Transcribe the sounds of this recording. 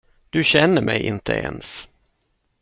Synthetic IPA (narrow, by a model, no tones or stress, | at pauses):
d̪̥ɵɕɛnːəɾmʔɛjʔɪnt̪ʰəʔeːns